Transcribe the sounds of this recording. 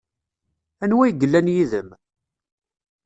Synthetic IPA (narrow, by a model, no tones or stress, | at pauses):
ænwæjɡəlːænjiðəm